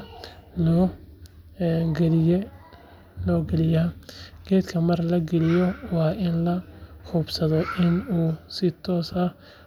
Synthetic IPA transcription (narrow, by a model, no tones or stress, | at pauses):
lɔ | ɡɛlɪ | lɔːɡɛlɪjaːɡ̥ɛːd̪kʰɐmɐrlɐɡɛlɪjɔwɑːʔɪnlɐχuːbsɐðɔʔɪnuːsɪt̪ʰɔːsɐ